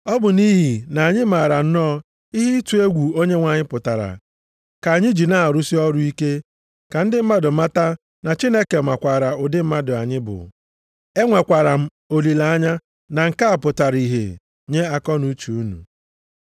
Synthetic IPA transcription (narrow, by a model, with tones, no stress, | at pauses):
ɔ˦bʊ˨niː˦ɦi˨na˨a˨ɲɪ˦ma˨ɾa˨n̩˦nɔ˦ | i˦ɦi˦i˦tu˨˦e˦ɡʷu˨o˦ɲe˦ŋʷa˨ɲɪ˦pʊ˨ta˨ɾa̰˨ | ka˨a˨ɲɪ˦d͡ʒi˨na˦a˨ɾu˦si˦ɔ˦ɾʊ˦i˦ke˦ | ka˨n̩˦dɪ˦m̩˦ma˦dʊ˨ma˦ta˦ | na˨t͡ʃi˦ne˦ke˨mʷa˨kʷa˨ɾa˨ʊ˨dɪ˦m̩˦ma˦dʊ˨a̰˨ɲɪ˦bʊ̰˨ | e˦ŋʷe˨kʷa˨ɾa˨m̩˦ | o˨li˨la˨a˦ɲa˦ | na˨ŋ̩˨ka˦a˨pʊ˨ta˨ɾi˨ɦḛ˨ | ɲe˦a˦kɔ˦nu˦t͡ʃu˨u˦nṵ˨